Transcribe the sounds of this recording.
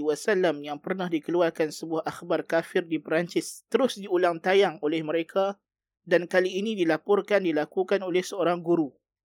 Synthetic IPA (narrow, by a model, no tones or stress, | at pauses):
wasalamjaŋpərnahdikəluarkansəbuahaxbarkafɪrdipɾaɲt͡ʃɪst̪əɾʊsdiulaŋt̪ajaŋolɛhməɾekʰa | dankaliːnidilapʊrkandilakukanolɛhsəoɾaŋɡuɾu